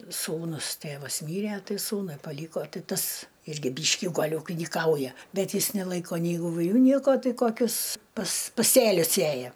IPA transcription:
ˈsuːnʊs ˈtʲeːʋɐs ˈmʲiːrʲɛ ˈtɐɪ ˈsuːnʊɪ pɐˈlʲiːkoː ˈtʲɪ ˈtɐs ˈɪrʲɡʲɪ ˈbʲiːʃʲkʲɪ ˈɡɐlʲ uːkʲɪnʲiːˈkɐʊjɛ ˈbʲɛt ˈjɪs nʲɛˈlˠɐɪkoː nʲɛɪ ɪʋʊˈlʲʊ nʲiɛkoː ˈtɐɪ koːˈkʲʊs pɐs pɐˈsʲeːlʲʊs ˈsʲeːjɛ

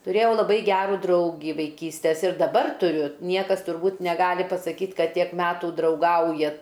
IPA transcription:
tʊˈrʲeːjɛʊ lˠɐˈbɐɪ ˈɡʲæːruː ˈdrɐʊɡʲiː ʋɐɪˈkʲiːsʲtʲɛs ɪr dɐˈbɐr tʊˈrʲʊ ˈnʲiɛkɐs tʊrˈbuːt nʲɛˈɡɑːlʲɪ pɐsɐˈkʲiːt ˈkɐt ˈtʲiɛk ˈmʲæːtuː drɐʊˈɡɐʊjɛ

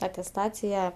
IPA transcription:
ɐtʲɛsˈtɑːt͡sʲɪjɛ

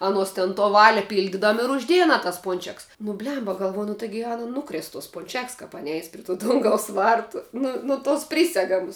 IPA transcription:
ɐˈnuɔs tʲɪn toː ˈʋɑːlʲɪ ˈpʲiːlʲdʲɪdɐm ɪr ʊʒʲˈdʲeːjɛ ɐˈnɐ tɐs ˈpʊnʲt͡ʃʲɛks nʊ ˈbʲlʲɛmbɐ ɡɐlˠˈʋoːjʊ nʊ ˈtɐɪɡʲɪ ˈɑːnɐ nʊˈkrʲeːs toːs pʊnʲˈt͡ʃʲɛks ˈkɐp ˈɑːnʲɪ ˈɛɪs pʲrʲɪ tuː ˈdʊŋɡɐʊs ˈʋɐrtʊ ˈnʊ nʊ toːs ˈpʲrʲiːsʲɛɡɐmʊs

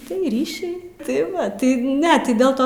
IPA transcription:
tɐɪ ˈrʲiːʃʲɛɪ tɐɪ ˈʋɐ ˈtɐɪ ˈnʲɛ ˈtɐɪ dʲɛlˠ ˈtoː

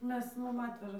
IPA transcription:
ˈmʲɛs ˈmʊm ˈɑːtʲʋʲɛʒɐ

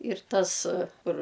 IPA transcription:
ɪr ˈtɐs ˈkʊr

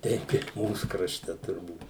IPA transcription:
ˈtʲɛɪp ɪ ˈmuːs krɐʃʲˈtʲɛ tʊrˈbuːt

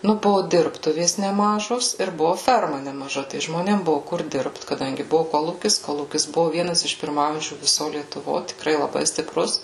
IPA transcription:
nʊ ˈbʊʋʊ ˈdʲɪrptʊʋʲeːs nʲɛˈmɑːʒoːs ɪr ˈbʊʋʊ ˈfʲɛrmɐ nʲɛmɐˈʒɐ tɐɪ ʒmoːˈnʲeːm ˈbʊʋʊ kʊr ˈdʲɪrpt kɐˈdɐŋʲɡʲɪ ˈbʊʋʊ ˈkoːlˠuːkʲɪs ˈkoːlˠuːkʲɪs ˈbʊʋʊ ˈʋʲiɛnɐs ɪʃ pʲɪrˈmɐʊjɛnʲt͡ʃʲuː ʋʲɪˈsoː lʲiɛtʊˈʋoː tʲɪkˈrɐɪ lˠɐˈbɐɪ sʲtʲɪˈprʊs

